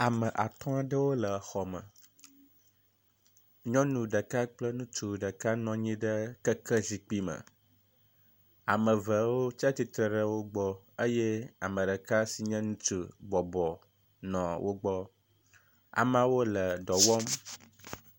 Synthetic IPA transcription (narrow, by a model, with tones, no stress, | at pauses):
a˨mə̃˨ʔa˨t̪ɔ̃˦a˨ɖə˦wo˦lə˨xɔ˨mə̰̃˨ | ɲɔ̃˦nũ˨ɖə˨ka˦k͡plə˦nũ˦t͡ʃu˨ɖə˨ka˦nɔ̃˨ɲĩ˦ɖə˦kə˦kə˦zi˨k͡pi˦mə̰˨ | a̰˨mə̃˨və˨wo˦t͡ʃa˦t̪i˨t̪ɾə˨ɖə˦wo˦ɡ͡bɔ˦ | ə˦jɛ˦a˨mə̃˨ɖə˨ka˦si˨ɲɛ̃˦nũ˦t͡ʃu˨ɡ͡bɔ˨bɔ˨ | nɔ̃˨wʔo˦ɡ͡bɔ˦ | a̰˨mã˨wo˦lə˨ɖɔ˨wɔ˦m